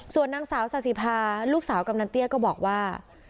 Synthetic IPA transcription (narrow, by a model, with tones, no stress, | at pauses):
su˨˩ənːaː˧ŋsaː˩˦wsa˨˩si˨˩pʰaː˧luː˥˩k̚saː˩˦wka˧mnaː˧nt̪i˥˩əkɔː˥˩bɔː˨˩k̚waː˥˩